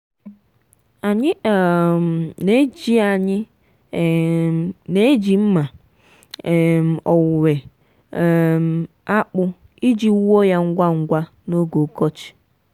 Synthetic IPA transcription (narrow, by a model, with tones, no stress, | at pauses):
a˨ɲɪ˦˨m˨ne˦d͡ʒi˦a˨ɲɪ˦˨ | ne˦d͡ʒi˨m̩˦ma˨ | m˨ɔ˨wʊ˨we˨ | m˨ | a˦k͡pʊ˦ | i˦d͡ʒi˦o˦ja˦ŋ̩˦ɡʷa˦ŋ̩˦ɡʷa˦ | no˦ɡo˨kɔ˦t͡ʃi̥˨